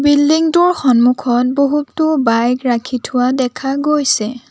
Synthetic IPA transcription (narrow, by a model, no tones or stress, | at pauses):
bildiŋduɹxɔnmukʰɔt̚boɦutːʊbajɡɹakʰitʰʊwadɛkʰaɡojsɛ